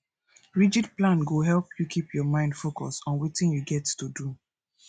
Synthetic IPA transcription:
ɹid͡ʒidplãnɡoɦɛlpʰjukʰipjɔmãɪ̃ndfokɔsɔ̃nwitĩnjuɡɛttudu

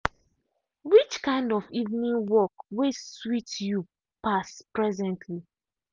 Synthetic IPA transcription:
wit͡ʃkãɪ̃ndɔfivnĩŋwɔkweswitju | paspɹɛzɛ̃ntʰli

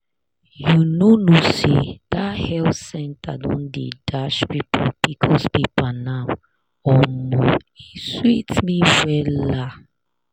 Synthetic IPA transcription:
junonusid̥ahɛlsɛ̃ntʰadɔ̰̃ndidaʃpipʰɔbikʰɔspipanaw | ɔmɔiswitmiwɛla

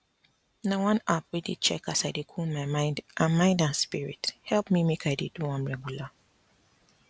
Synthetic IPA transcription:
nawãnapwidḛt͡ʃɛ̰kasaɪdekʰulmajmãɪ̃ndʔãnmãɪ̃ndãnspiɹḭthɛlpmimekʰajdeduãnɹɛɡjula

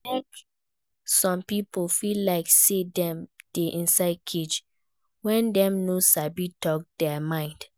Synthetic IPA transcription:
nɛk | sɔ̃mpipolfillːaɪksedɛ̃md̥eʔĩnsaɪd̚kʰet͡ʃ | wɛ̃ndɛ̃mnosabitɔk̚d̥ɛmãɪ̃nd̥

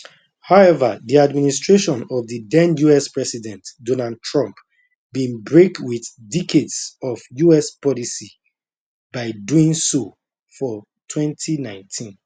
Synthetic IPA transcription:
haʊɛvaðiadministɹeʃɔ̃nɔvðidɛ̃njuɛspɹɛsidɛ̃ntdonald̚tʰɹɔ̃mp | bĩnbɹekwiθdikʰedsɔvjuɛspɔlisi | baɪduĩŋso | fɔ | tʰwɛ̃ntʰinãɪ̃ntʰĩn

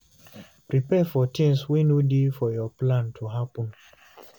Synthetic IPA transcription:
pɹipɛfɔtʰĩŋswinudefɔjɔplãntʰuɦapɔ̃n

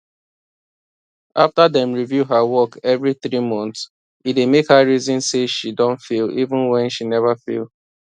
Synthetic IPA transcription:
ʔaftadɛ̃mɹivjuɦawɔkɛvɹiθɹimɔ̃nθts | it̚emekhaɹizɔ̃nseʃidɔ̃ntfilivũnwɛ̃nʃinɛvafḭlˠ

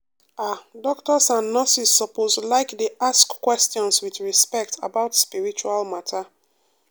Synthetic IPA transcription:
adɔktɔsãnːasisːɔposlaɪkdeʔaskkːwɛstjɔ̃nswiθɹispɛk̚tʰa̰baʊtspiɹit͡ʃualmatʰa

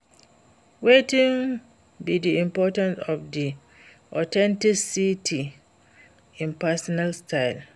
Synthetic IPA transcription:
wetɪ̃ŋ | bidiĩmpʰɔtãnsɔfdi | ɔtʰɛ̃ntiksitʰi | ɪ̃npʰasɔnalstʰaɪl

